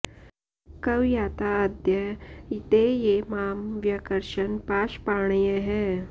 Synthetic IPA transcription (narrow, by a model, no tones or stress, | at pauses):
kɐwjaːt̪aəd̪jəit̪ejemaːmʋjɐkəɾʃənpaːʃpaːɳ̃jəɦɛː